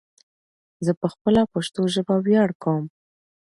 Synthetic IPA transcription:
zəpəxpəlapaʃt̪oʒəbawjɑɽkawəm

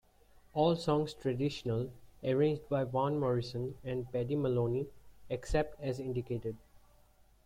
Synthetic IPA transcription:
ɔːlsɔ̃ːŋsʈɾəɖɪʃənələɾẽːɲd͡ʒɖbaɪʋãːnmɔːɾɪsə̃nɛ̃ɳɖpɛɖiməlõːnieksɛp̚ʈɛzɪ̃ɳɖikeːʈeɖ̚

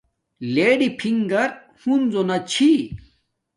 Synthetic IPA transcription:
leːɖipʰiŋɡɐɾ | hunzonɐt͡ɕʰi

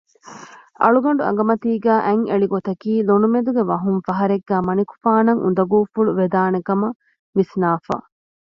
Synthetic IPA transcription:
ʔɐ̰ɭuɡɐɳɖuɐ̰ŋ̆ɡɐmɐt̪iːɡæːʔæŋeɭiɡot̪ɐkiːlonumed̪uɡeʋɐɦuŋfɐɦɐɾeɡːæːmɐniku̥faːnɐŋʔṵnd̪ɐɡuːfuɭuʋed̪aːnekɐmɐ | ʋisnaːfa̰ː

